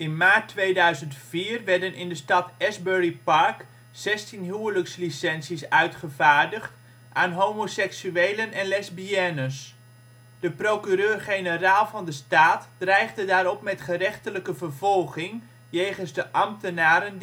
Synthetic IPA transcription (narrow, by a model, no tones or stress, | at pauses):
ɪnmaːtːʋejdœɥzəntfiːrʋɛɹdənʔɪndəstɑtɛzbøɹipɑɹk | sɛstinɦyələkslisɛnsisœɥtχəvaːɹdəχt | ʔaːnɦowmosɛksyejlənɛnlɛzbiɛnəs | d̥əprowkyɾøːrχejnəraːlˠvɑndəstaːtd̥rɛjχdədaːɾɔpmɛtχərɛχtələkəvəɹvɔlˠχɪŋ | jejχənzdəʔɑmtənaːɾən